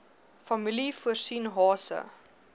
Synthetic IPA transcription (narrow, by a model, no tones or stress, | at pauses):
fɐmilifuərsinɦɑːsə̰